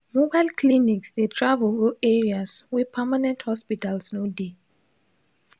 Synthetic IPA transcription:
mobajlkʰliniksdetʰɹavɔlɡoɛɹiaswiðpʰɛmanɛ̃nthɔspitalsnode

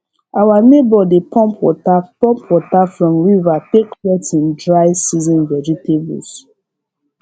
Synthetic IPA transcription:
awanebɔdepʰɔ̃mpwɔtapɔ̃mpwɔtafɹɔ̃mɹivateklɛtĩndɹaɪsizɔ̃nvɛd͡ʒitebṵls

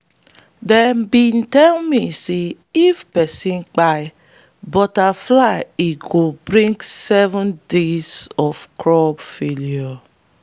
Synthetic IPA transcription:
dɛnbin̩tɛlmise | ifpɛsĩnk͡paj | bɔtaflaɪiɡobɾĩŋksɛvɔ̃ndezɔfkɹɔbfeliɔ

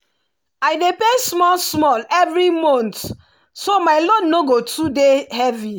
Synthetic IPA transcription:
aɪdepesmɔlsmɔlɛvɹimɔ̃nt | somaɪlɔdnoɡotudehɛvi

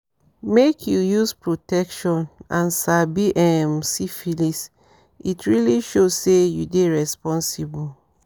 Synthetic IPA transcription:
mekʰjujuspɹotɛkʃɔ̃nãnsabiʔɛmsifilis | itʰɹiliʃosːejudeɹɛspɔ̃nsibu

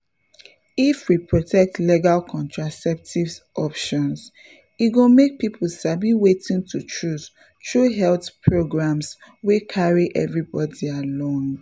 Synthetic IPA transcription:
ifwipɹotʰɛk̚tliɡalkʰɔ̃ntɹasɛp̚tʰivsʔɔpʃɔ̃ns | iɡomek̚pipʰlsabiwetĩŋtʰutʰɹus | tʰɹuɦɛlθpʰɹoɡɹãmswikʰaɹiʔɛ̰vɹibɔdialɔ̃ŋ

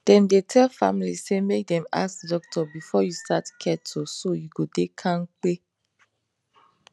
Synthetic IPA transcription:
d̥ɛ̃mdetʰɛlfa̰milisemek̚dɛ̃ma̰skdɔk̚tʰɔbifɔjustatkʰɛtʰosojuɡodekʰãnk͡pe

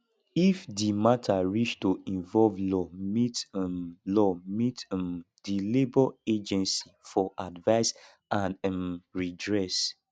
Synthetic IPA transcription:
ifdimatʰaɹiʃtoĩɱvɔlvlɔmit | lɔmitm | dilebɔed͡ʒɛ̃nsifɔʔadvaɪs | ãnmɹidɹɛs

